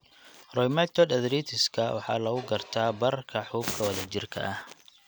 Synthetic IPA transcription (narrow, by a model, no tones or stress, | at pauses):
rɔjmɛt̪ʰɔd̪ɐðɾiːt̪ʰɪskʰɐwɑ̰ħɑ̰ːlɐɣʊɡɐrt̪ʰaːbɐrkʰɐħuːbkʰɐwɐðɐt͡ʃɪrkʰɐ̰ʔɐh